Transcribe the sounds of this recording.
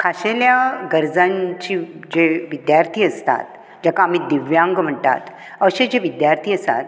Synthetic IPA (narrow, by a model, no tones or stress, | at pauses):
kʰaɕeljaɡəɾd͡zãɲt͡ɕiːd͡ʑeʋid̪jaɾt̪ʰiːəst̪a̰t̪ | d͡ʑakaːm̤iːd̪iʋjãŋɡm̤əɳt̪a̰t̪ | əɕed͡ʑeʋid̪jaɾt̪ʰiːəsa̰t̪